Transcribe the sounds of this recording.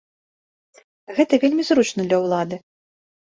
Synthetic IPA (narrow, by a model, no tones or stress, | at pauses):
ɣɛt̪ɐvʲelʲmʲizɾut͡ʂnɐd̪lʲɐwlˠad̪ɨ